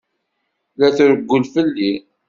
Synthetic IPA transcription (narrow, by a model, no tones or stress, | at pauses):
læθɾəɡʷːəlfəlːi